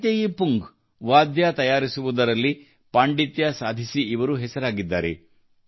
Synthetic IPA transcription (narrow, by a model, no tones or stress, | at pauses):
t̪ɐjipuŋɡ | ʋaːd̪jat̪ɐjaːɾisuʋud̪ɐɾɐlːi | paːɳɖit̪jasaːd̪ʱisiːʋɐɾuɦɛsɐɾaːɡid̪ːaːɾḛ